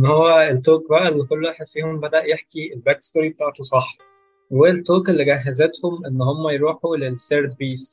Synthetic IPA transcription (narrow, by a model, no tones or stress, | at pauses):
ʔenːhowːæelt̪oːk̚bæʔælːikolːwæħed̪fiːhombæd̪æʔjeħkielbækst̪oɾibet̪aːʕet̪osˤɑħ | welt̪ːoːkelːiɡæɦːæzet̪homʔenːhomːæjeɾˤuːħulelseɾd̪biːs